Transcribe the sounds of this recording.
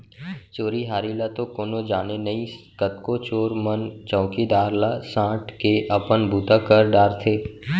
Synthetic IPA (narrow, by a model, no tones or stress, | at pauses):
t͡ʃoːɾiɦaːɾilat̪okoːnod͡ʒaːnenəĩ | kət̪̚kot͡ʃoːɾmənt͡ʃɔ̃ːʊkid̪aːɾlasãːʈkeʔəpənbʱuːt̪akəɾɖaːɾt̪ʰeː